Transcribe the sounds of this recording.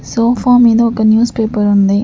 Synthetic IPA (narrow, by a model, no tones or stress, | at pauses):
soːfaːmiːðɐ̃ɔkːɐnjuːspeːpɐɾʊnd̪e